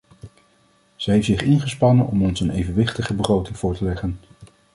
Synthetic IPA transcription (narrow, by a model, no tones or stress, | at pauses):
z̥ɛjɦejftsɪχɪnχəspɑnənɔmɔnsənejvənʋɪχtəχəbəχrowtɪŋv̥ʊːɹtəlɛχən